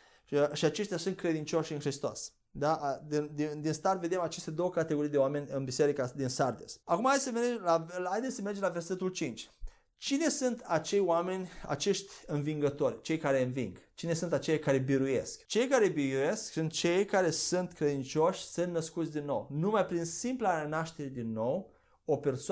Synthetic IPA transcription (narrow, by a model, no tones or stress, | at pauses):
ʃiat͡ʃe̞ʃt̪ʲjasunt̪kɾe̞d̪int͡ʃo̞ʃɨnxɾist̪o̰s | d̪aʔd̪ind̪id̪inst̪arve̞d̪emat͡ʃe̞st̪ed̪o̞wəkat̪eɡo̞ɾijd̪eoame̞nʲɨnbise̞ɾikad̪insard̪esakumaajsəmed͡ʒlaajd̪essəme̞rd͡ʒemlave̞rse̞t̪ult͡ʃint͡ʃʲ | t͡ʃine̞sunt̪at͡ʃe̞jwame̞nʲa̰t͡ʃe̞ʃt̪ʲɨnviŋɡət̪o̞rʲt͡ʃe̞jkaɾe̞ɨnviŋɡt͡ʃine̞sunt̪at͡ʃejakaɾe̞biɾuje̞̰skt͡ʃe̞jkaɾe̞biuje̞sksɨnt̪̚t͡ʃe̞jkaɾe̞sunt̪kɾe̞d̪int͡ʃʲo̞ʃʲsɨnt̪nəskut̪sʲd̪inːo̞̰wnumajpɾinsimplaɾenaʃt̪e̞ɾed̪inːo̞w | o̞pe̞rso